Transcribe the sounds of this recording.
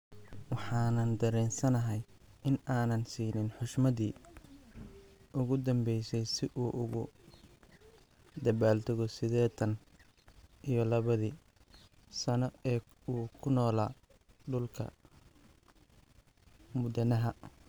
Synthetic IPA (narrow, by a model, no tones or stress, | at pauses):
wɑħɑːnɐnd̪ɐɾɛːnsɐnɐɦɛjɪnaːnɐnsiːnɪnħʊʃmɐðiː | ʔʊɣʊd̪ɐmbɛjsɛjsɪʔuːʔʊɣʊ | d̪ɐβaːlt̪ʰʊɣɔsɪðɛːt̪ʰɐn | ʔijɞlɐβɐðiː | sɐnɔɛː | uːkʰʊnɔːlaː | ɖʊlkʰɐ̰ | mʊd̪ɐnɐɦɐ